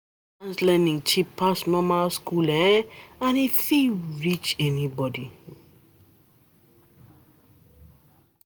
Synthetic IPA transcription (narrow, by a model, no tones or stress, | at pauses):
ãnslɛ̃ndĩŋt͡ʃipʰːasnɔ̃maskulɛ̃ãnifiɹit͡ʃɛnibɔdi